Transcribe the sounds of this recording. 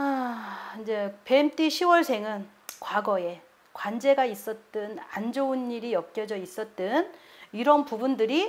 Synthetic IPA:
aind͡ʑe̞pe̞mt͈ʰiɕʰiwʌɭsʰe̞ŋɯn | kwaɡʌe̞ | kwand͡ʑe̞ɡais͈ʌt̚t͈ɯna̰nd͡ʑounːiɾijʌk̚k͈jʌd͡ʑʌis͈ʌt̚t͈ɯniɾʌnpubundɯɾi

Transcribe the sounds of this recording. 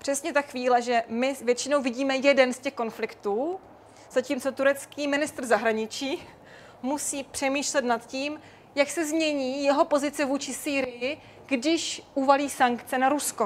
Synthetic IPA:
pr̝̥ɛsɲɛt̪axviːlɛʒɛmɪvjɛt̪t͡ʃɪno̞wvɪɟiːmɛjɛdɛnscɛxko̞nflɪkt̪uː | z̥aciːmt͡sot̪uɾɛt͡skiːmɪnɪst̪rzaɦɾaɲɪt͡ʃiː | musiːpr̥ɛmiːʃlɛt̪nat̪ciːm | jaksɛzmɲɛɲiːjɛɦo̞po̞zɪt͡sɛvuːt͡ʃɪsiːɾɪjɪ | ɡ̥dɪʃʔuvaliːsaŋkt͡sɛnaɾusko

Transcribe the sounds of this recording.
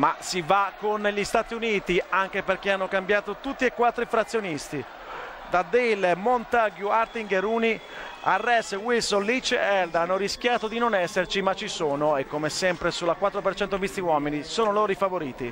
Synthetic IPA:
masivakːonːʎist̪aːt̪iuniːt̪iaŋk̟eperk̟eanːokambjaːt̪ot̪ut̪ːiekːwat̪ːɾifɾat̪sːjonist̪i | d̪ad̪elmont̪aɡjuart̪iŋɡeɾuni | arːɛswilsonlit͡ʃːɛld̪anːoɾiskjaːt̪od̪inonɛsːert͡ʃimat͡ʃːisoːnoekːomesɛmpɾesulːakwat̪ːɾopert͡ʃɛnt̪omist̪iwɔːminisoːnoloːɾifavoɾiːt̪ḭ

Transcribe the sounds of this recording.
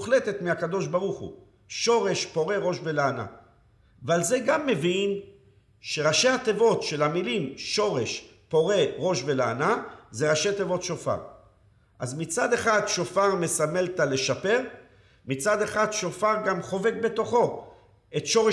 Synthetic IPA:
χle̞t̪e̞t̪miakad̪o̞ʃbaʁuχṵ | ʃo̞ʁe̞ʃpo̞ʁe̞ʁo̞ʃbelaana̰ | valze̞ɡamːe̞vin | ʃe̞ʁaʃe̞hat̪evo̞t̪ʃe̞lhamilimʃo̞ʁe̞ʃ | po̞ʁe̞ʁo̞ʃbe̞laanaze̞ʁaʃe̞t̪evo̞t̪ʃo̞fa̰ʁ | ʔazmit͡sad̪e̞χad̪ʃo̞faʁme̞same̞lt̪ale̞ʃape̞ʁ | mit͡sad̪e̞χad̪ʃo̞faʁɡamχo̞ve̞k̚be̞t̪o̞χo̞ | e̞tʃo̞ʁe

